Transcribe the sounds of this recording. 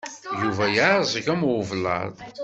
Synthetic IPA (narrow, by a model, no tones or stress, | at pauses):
juvæjzˤəʝæmwʊvlɑ̰ðˤ